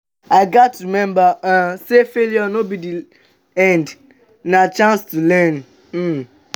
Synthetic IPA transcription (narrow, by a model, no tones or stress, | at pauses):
aɪɡatɾimɛ̃mbaãsefeljɔnobidi | ɛ̃nd | nat͡ʃãnstulɛ̃n̩